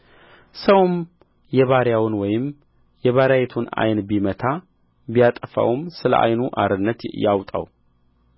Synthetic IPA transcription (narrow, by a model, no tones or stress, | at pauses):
səwm | jɛβaɾjawʊnwɔjɪm | jɛβaɾajɛt̪ʰuna̰jnbimət̪ʰa | bijat̪ʼəfa̰wmsɨlə̰ʔa̰jnuʔa̰ɾɨnːət̪jawt̪ʼa̰w